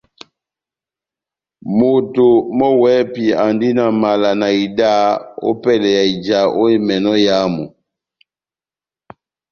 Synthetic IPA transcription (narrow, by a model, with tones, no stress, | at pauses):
mo˨to˨mɔ˦wɛ˦pi˨a˨ndi˦na˨ma˨la˨na˨i˨da˦o̰˦pɛ˦˨lɛ˨ja˨i˨d͡ʒa˨ʔo˦i˦mɛ˨nɔ˦ja˨˦mɔ˨